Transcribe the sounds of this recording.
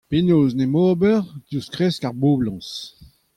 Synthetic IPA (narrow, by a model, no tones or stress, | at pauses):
penoznemoːbɛʁd̪juskʁɛskaʁboːblɑ̃s